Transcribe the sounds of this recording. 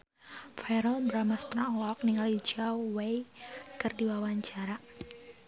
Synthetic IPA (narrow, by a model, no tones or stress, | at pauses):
fajɾəlbəɾamast̪ɾaŋlɔk̚niŋalid͡ʒawejkɨrdiwawaɲt͡ʃaɾa